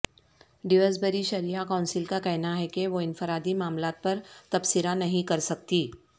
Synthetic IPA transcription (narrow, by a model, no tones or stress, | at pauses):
ɖɪʋəsbɐɾiʃɐɾiakaʊ̃nsɪlkakɛɦnaɦɛkeʋoɪnfɪɾaːd̪imaːmlaːt̪̚pɐɾt̪ɐbsɪɾanɐɦĩkɐɾsɐk̚t̪iː